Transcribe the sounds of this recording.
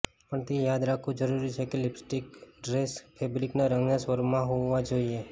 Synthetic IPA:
pəɳt̪ejad̪ɾakʰũd͡ʒəɾuɾit͡ʃʰekelɪpsʈikɖɾespʰebɾiknaɾəŋɡnasʋəɾmãɦoːãd͡ʒoie

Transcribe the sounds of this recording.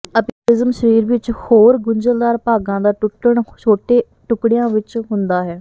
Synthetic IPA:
əpːɪzəmʃəɾiːɾʋɪt͡ʃhoːɾɡʊɲd͡ʒəld̪aːɾpaːɡãːd̪aːʈʊʈːəɳt͡ʃʰoːʈeː | ʈʊkɽijãːʋɪt͡ʃɦʊnd̪aːɦɛː

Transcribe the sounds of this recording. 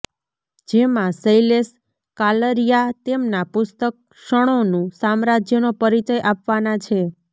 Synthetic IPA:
d͡ʒemãsəjles | kaləɾijat̪emnapʊst̪ək̚ | ʃəɽ̃onũsamɾad͡ʒjənopəɾit͡ʃəjʔapʋanat͡ʃʰe

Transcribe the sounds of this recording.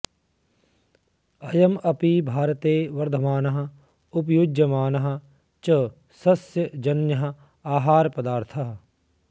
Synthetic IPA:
ɐjɐmɐpibʱaːɾət̪eːʋɐɾd̪ʱɐmaːnɐɦɐ | ʊp̬jud͡ʒɐmaːnɐɦɐ | t͡ʃɐ | sɐsjəd͡ʒɐnjɐɦɐ | aːɦaːɾpɐd̪aːɾt̪ʰɐɦ

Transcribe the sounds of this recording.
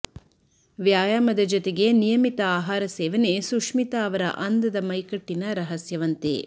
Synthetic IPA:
ʋjaːjaːmɐd̪ɐd͡ʒot̪eɡe̞nijɐmit̪ɐaːɦaːɾɐsɛːʋɐnesukʂmit̪aːɐʋɐɾɐ̰ʔɐnd̪ɐd̪ɐmɐjkɐʈːinɐɾɐɦɐsjɐʋɐnt̪ḛ

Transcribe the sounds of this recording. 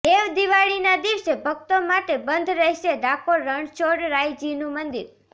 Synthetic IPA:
eʋd̪iʋaɭinad̪iɾʃebʱəɡ̚t̪omaʈebənd̪ʱɾəɦʃed̪akʰoɾəɳt͡ʃoɽɾajd͡ʒinũmənd̪iɾ

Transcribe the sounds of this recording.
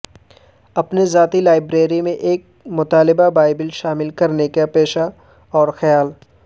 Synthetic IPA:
ɐpnezaːt̪ilaːɪbɾeːɾimẽʔeːk̚mʊt̪aːlɪbabaːɪbɪlʃaːmɪlkɐɾnekepeːʃa | ɔːɾxɐjaːl

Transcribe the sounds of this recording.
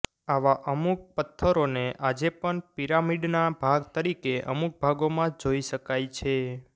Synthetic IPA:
aʋaʔəmuk̚pət̪ʰːəɾoneʔad͡ʒepəɳpiɾamiɖnabʱaɡt̪əɾikeʔə̰muk̚bʱaɡomãd͡ʒoiʃəkajt͡ʃʰe

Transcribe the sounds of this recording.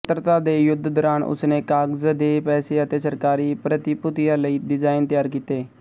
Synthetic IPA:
t̪ɾt̪ad̪eːjʊd̪ʱːd̪ɔɾaːɳʊ̰sneːkaːɡzd̪eːpɛːseət̪eːsəɾkaːɾiːpɾət̪ipʊt̪ɪjãləiːɖɪzaːɪnt̪əjaːɾkiːt̪eː

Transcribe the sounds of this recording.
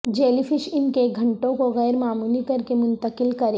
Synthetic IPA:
d͡ʒeːlifʰɪʃɪnkeɡʱɐ̃ɳʈõkoɣɛːɾmaːmuːlikɐɾkemʊ̃nt̪əkɪlkɐɾeː

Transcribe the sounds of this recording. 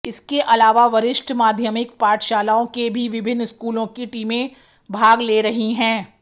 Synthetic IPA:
ɪskeʔɐlaːʋaʋɐɾɪʃʈʰmaːd̪ʱjəmɪkpaːʈʰʃaːlaːõkebʱiʋɪbʱɪnːɪskuːlõkiʈiːmẽ | bʱaːɡleːɾɐɦiɦɛ̃ː

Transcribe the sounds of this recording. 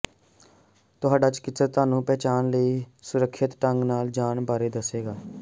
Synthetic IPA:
t̪ʊɦaːɖaːt͡ʃkɪsəɾt̪aːnũːpɛːt͡ʃaːnləiːsʊɾəkʰːʃɪt̪ʈəŋɡnaːld͡ʒaːnbaːɾeːd̪əseːɡaː

